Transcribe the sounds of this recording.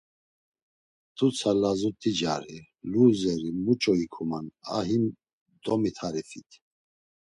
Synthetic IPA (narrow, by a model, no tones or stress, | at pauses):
t̪ʰut͡sʰalazut̪ʼid͡ʒa̰ɾi | luzɛɾimut͡ʃʼɔikʰumana̰ɦim | d̪ɔmit̪ʰaɾifit̪ʰ